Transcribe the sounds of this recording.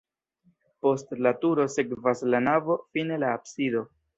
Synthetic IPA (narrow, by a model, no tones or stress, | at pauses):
po̞stlatuɾo̞se̞kvaslanavo̞fine̞laːbsido̞